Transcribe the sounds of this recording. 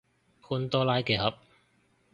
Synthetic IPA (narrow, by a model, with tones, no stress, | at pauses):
kʰuː˧nt̪ɔː˥laː˦˥jke˨˧jhɐ˨˥p̚